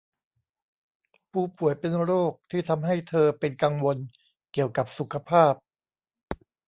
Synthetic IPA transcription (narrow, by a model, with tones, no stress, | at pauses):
pʰuː˧˩pu˨˩˦əjpe˧nɾoː˥˩k̚t̪ʰiː˥˩t̪ʰa˧mɦa˥˩jt̪ʰɤː˧pe˧nka˧ŋwo˧n | ki˨˩əwka˨˩p̚su˨˩˦kʰa˧pʰaː˥˩p̚